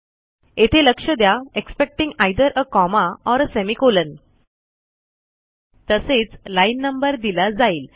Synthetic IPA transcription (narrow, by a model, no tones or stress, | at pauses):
et̪ʰeləkʂəd̪jaekspek̚ʈĩŋɡajd̪əɾʔəkɔmaɔɾəsɛmikolən | t̪əset͡slajnːəmbəɾd̪ilad͡zaiːl